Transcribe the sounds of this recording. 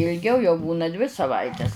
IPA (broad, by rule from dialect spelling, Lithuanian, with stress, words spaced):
ɪlʲˈɡʲɛʊ jɛʊ ˈbuːnɐ dʲʋʲɪ sɐˈʋɐɪtʲɛs